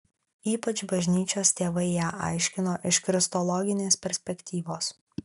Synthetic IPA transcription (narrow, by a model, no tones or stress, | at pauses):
iːpɐt͡ʃbɐʒʲnʲiːt͡ʃʲoːst̪ʲeːʋɐɪjæːʔɐ̰ɪʃʲkʲɪnoːʔɪʃkɾʲɪst̪ɔlˠɔɡʲɪnʲeːspʲɛɾʲsʲpʲɛkʲt̪ʲiːʋoːs